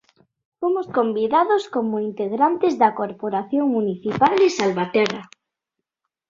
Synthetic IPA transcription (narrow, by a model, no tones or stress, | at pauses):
fomoskombiðaðoskomoint̪eɣɾant̪ezðakoɾpoɾaθjoŋmuniθipalesalβat̪era